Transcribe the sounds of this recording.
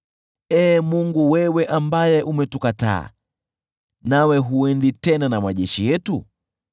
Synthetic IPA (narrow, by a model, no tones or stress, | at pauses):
ɛːmuŋɡuwɛwɛʔambajɛʔumɛtukata̰ː | nawɛɦuɛnditɛnanamaʄɛʃijɛtu